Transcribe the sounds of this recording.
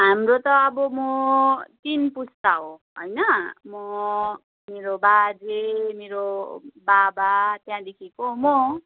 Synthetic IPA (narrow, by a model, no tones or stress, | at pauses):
ɦamrot̪ʌːbʌmʌt̪inpust̪aɦoɦʌ̰jnʌmʌ | meɾobad͡zemeɾobabat̪jãd̪ekʰekomo